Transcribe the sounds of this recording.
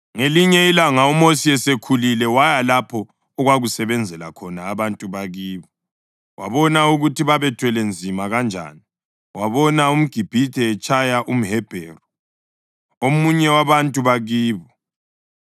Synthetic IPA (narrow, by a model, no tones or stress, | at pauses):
ŋeliɲɛilaŋaɔmosiɛsekʰulilɛwajalapʰɔ | ɔɣwaɣusɛβɛnd͡zʱɛlakʰɔnaːβantʼuβaɣiːβɔ | wa̰βɔnauɣutʰiβaβɛtʰwɛlend͡zʱimaɣand͡ʒʱa̰ːni | waβɔnaum̩ɡ̥ʱib̥ʱitʰɛːt͡ʃʼʰajaʔum̩ɦɛb̥ʱɛːrɔ | omuɲɛwaβantʼuβaɣiːβɔ